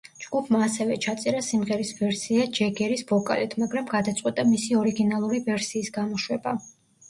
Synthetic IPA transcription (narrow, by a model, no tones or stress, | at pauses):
d͡ʒɡ̥upʰmaːsɛvɛt͡ʃʰat̪sʼɛɾasimʁɛɾisbɛɾsiad͡ʒɛɡɛɾisbɔkʼa̰lit̪ʰmaɡɾamɡad̪at̪sʼqʼwit̪ʼamisiɔɾiɡinalˠuɾivɛɾsiːsɡamɔʃwɛba